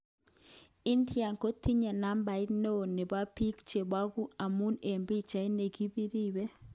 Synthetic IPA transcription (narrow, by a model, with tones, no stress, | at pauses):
i˦ntja˨ŋko˦ti˦ɲe˨na˦mba˨ɪ˦tno˦˨ne˨ba˦pi˦kt͡ʃe˨ba˦ɡu˦a˨mu˦ne˨mbi˦t͡ʃa˨i˦ne˨ɡi˦bi˦ɾi˦we˦